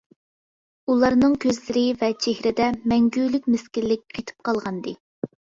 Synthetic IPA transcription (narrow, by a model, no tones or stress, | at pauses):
ulˠɑɾnɨŋkʲʰøzlɪɾɪvɛt͡ʃʰehɾɪd̪ɛmɛŋɡʲyːlɪkʲmɪskʲillːɪk̚ʲqʰejt̪ʰɨ̥p̚qɑlˠʁɑnd̪ɨ